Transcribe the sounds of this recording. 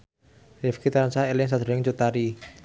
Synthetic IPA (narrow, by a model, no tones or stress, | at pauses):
refkit̪aɾansaelɪŋs̬ad̪ɾɪŋt͡ʃot̪aɾi